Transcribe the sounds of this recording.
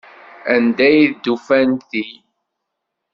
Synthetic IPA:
ænd̪æjðd̪ːufænθi

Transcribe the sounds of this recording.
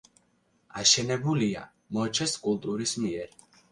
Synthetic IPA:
aʃɛnɛbulia̰ | mɔt͡ʃʰɛskʼulˠt̪ʼuɾismiɛɾ

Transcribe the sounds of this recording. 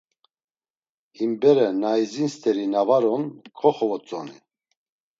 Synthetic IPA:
imbɛɾɛnajzinst̪ʰɛɾinavaɾɔnkʰɔχɔvɔt͡sʼɔni

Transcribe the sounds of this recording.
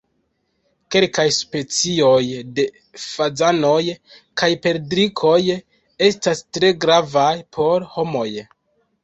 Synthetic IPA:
ke̞lkajspe̞t͡sio̞jde̞ | fad͡zano̞j | kajpe̞ldɾikʰo̞j | e̞stastɾe̞ɡɾavajpʰo̞ɾho̞mo̞j

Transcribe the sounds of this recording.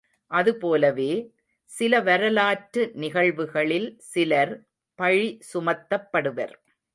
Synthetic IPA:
ʔɐðɯpoːlɐʋeː | sɪlɐʋɐɾɐlaːʈɾɯnɪɣɐɭʋɯɣɐɭɪlsɪlɐɾ | pɐɻisʊmɐt̪ːɐpːɐɽɯʋɐ̰ɾ

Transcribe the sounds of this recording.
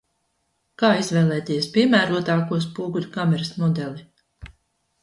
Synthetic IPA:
kaːizvɛːlˠɛːt̪iːɛspʲiɛmæːɾuɔt̪aːkuɔs̬puːɡulʲukamɛɾɐsmɔd̪ɛlʲˠi

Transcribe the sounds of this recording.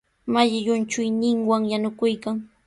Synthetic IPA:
maʎɪjʊnt͡ʃʊjnɪŋwaŋjanʊkʊjkaŋ

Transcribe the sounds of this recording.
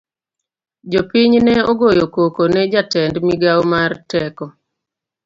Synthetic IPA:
d͡ʒopiɲnɛɔɡojokokonɛd͡ʒatɛndmiɡawmartɛkɔ

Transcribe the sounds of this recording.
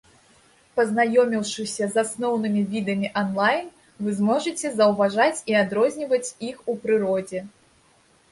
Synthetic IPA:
pɐznajɔmʲiwʂɨsʲɐzasnɔwnɨmʲivʲid̪ɐmʲiʔɐnlˠajn | vɨzmɔʐɨt͡sʲɛzɐwvaʐat͡sʲiad̪ɾɔzʲnʲivɐt͡sʲixupɾɨɾɔd͡zʲɛ

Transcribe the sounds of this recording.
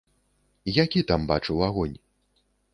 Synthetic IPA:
jakʲit̪ambat͡ʂɨwaɣɔnʲ

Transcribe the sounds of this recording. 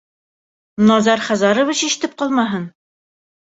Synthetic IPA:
nɑzɑɾχæzɑɾŏvit͡ɕiʃt̪ɘp̚qɒlˠmɑɦɤn

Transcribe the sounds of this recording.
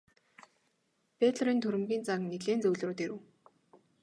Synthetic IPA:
pet̪ɮrɾiːnt̪ʰɵɾɘ̆mɡʲiːnt͡sakneɮeːnt͡sɵwɮroːt̪eɾɘ̆w

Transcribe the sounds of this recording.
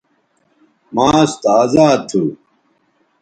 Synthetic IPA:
maːst̪aːzaːd̪̚t̪ʰːu

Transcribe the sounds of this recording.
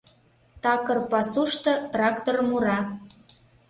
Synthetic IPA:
t̪ɑkɤ̆rpɑsuʃt̪ɤ̆t̪rɑkt̪ormuɾɑ

